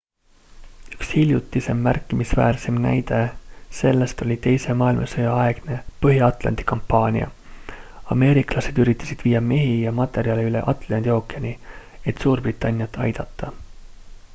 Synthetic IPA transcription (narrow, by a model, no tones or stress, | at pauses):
y̥kshilʲjut̪ːˑise̞mːærkːˑimisvæ̰ːrse̞mnæ̰jd̪̥e̞se̞lːe̞st̪olʲit̪e̞jse̞mɑːilmʔɑsɤjɑɑe̞ɡ̥ne̞pɤɦiɑt̪ˑlɑ̰nd̪̥i̥kɑmpːɑːnʲḭɑ̰ | ɑme̞ːɾiklɑse̞d̪̥yɾit̪ːˑɑ̥sid̪̥viːɑme̞ɦijɑmɑt̪ːˑe̞ɾjɑleylḛʔɑt̪ˑlɑnd̪io̞ːkˑiɑnʲi | e̞t̪ːsuːrbrit̪ːˑɑnʲːjɑt̪ːˑɑ̰jd̪̥ɑt̪ːɑ